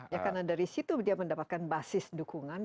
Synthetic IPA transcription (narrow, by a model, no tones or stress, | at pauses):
jakarnadaɾisit̪udiaməndapat̪̚kanbasɪsdukuŋan